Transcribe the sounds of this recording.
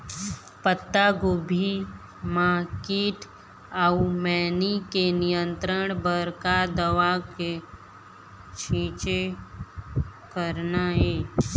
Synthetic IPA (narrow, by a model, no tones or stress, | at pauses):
pət̪ːaɡoːbʱi | maːkiːʈ | aumɛːnikenɪjə̃nt̪ɾəɳ̃bəɾkad̪əʋake | t͡ʃʰĩːt͡ʃe | kəɾnaɦeː